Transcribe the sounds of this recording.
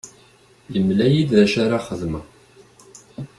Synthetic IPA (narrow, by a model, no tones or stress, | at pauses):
jəmlæjid̪ðæʃaɾaχəðmə